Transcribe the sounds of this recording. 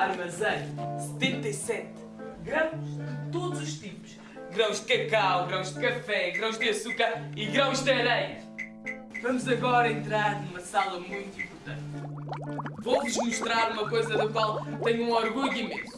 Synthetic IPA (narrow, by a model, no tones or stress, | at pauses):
aɾmɐzɐ̃jsɨ̥t̪ẽnt̪ɐisɛt̪ | ɡɾɐ̃w̃ʒd̪ɨt̪oðuzuʃt̪ipu̥ʃ | ɡɾɐ̃w̃ʒd̪ɨkɐkawɣɾɐ̃w̃ʒd̪ɨkɐfɛɣɾɐ̃w̃ʒd̪ɨɐsukɐɾiɣɾɐ̃w̃ʒd̪ɐɾɐj | vɐmuzɐɣɔɾɐẽnt̪ɾaɾnumɐsalˠɐmũj̃t̪ĩmpuɾt̪ɐ̃nt̪ | vowvuʒmuʃt̪ɾaɾumɐkojzɐðukwalˠt̪ɛ̃ɲũɔɾɣuʎuimẽsu̥